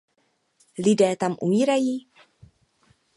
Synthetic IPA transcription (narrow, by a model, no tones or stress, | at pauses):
lɪdɛːt̪amʔṵmiːɾajiː